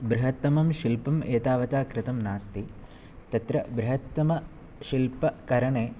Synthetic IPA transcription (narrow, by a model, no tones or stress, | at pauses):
bɾɪɦɐt̪ːɐmɐmʃilpɐmeːt̪aːʋɐt̪aːkɾɪt̪ɐmnaːst̪i | t̪ɐt̪ɾɐbɾɪɦɐt̪ːɐmɐ | ʃilpɐkɐɾɐɳeː